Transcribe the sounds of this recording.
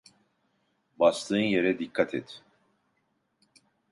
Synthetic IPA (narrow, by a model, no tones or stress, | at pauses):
bast̪ˠɯːnje̞ɾɛd̪ikʰːat̪ʰɛ̰t̪